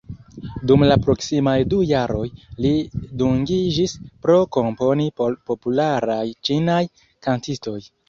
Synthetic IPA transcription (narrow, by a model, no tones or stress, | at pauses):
dumlapɾo̞ksimajdujaɾo̞jliduŋɡid͡ʒispɾo̞ko̞mpo̞nipo̞pulaɾajt͡ʃinaj | kantisto̞j